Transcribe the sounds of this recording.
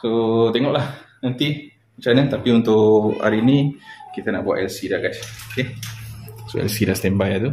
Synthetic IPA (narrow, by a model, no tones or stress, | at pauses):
sot̪eŋɔʔlahnant̪i | mat͡ʃanat̪apiunt̪ʊʔa̰ɾinikit̪ana̰ʔbua̰ʔɛlsidaɡat͡ʃoke | soɛ̰lsidast̪ɛmbajat̪u